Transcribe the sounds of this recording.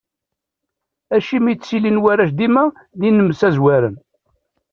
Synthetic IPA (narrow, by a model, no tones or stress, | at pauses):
æʃimit͡ssilinwæɾæʃd̪imæ | ðinːəməsæzwæɾən